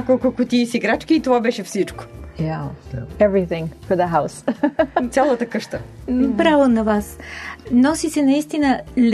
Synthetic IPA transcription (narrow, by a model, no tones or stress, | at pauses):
akokokʊt̪isiɡɾat͡ʃkiːt̪ovabɛʃɛfsit͡ʃko̥jaɛvɾiθɪ̃ŋfɔɾðəɦawst̪sʲalˠət̪əkəʃt̪əpɾavonɐvasnɔsisɛnɐist̪inəl